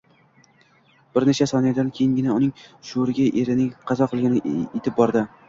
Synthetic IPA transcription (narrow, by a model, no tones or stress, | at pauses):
b̥ɪɾnet͡ʃʰasɒnijad̪ankʲʰejɪŋɡʲɪnaʊnɪŋʃoɾɪɡʲaʔeɾɪnɪŋqʰɑzɒqʰɨlˠɡʲanɪʔet̪ʰɪp̚bɒɾd̪ɪ